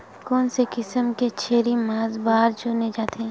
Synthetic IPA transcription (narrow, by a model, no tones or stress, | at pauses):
kɔːnsekɪsəmket͡ʃʰeːɾimaːzbaːɾd͡ʒoːned͡ʒaːt̪eɦɛ̃